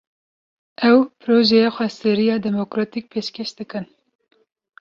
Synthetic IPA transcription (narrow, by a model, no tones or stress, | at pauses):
ɛwpɾoːʒɛjexʷɛseɾijɑːd̪ɛmokɾɑt̪ik̚pʰeːʃkeʃd̪̥ɨkɨn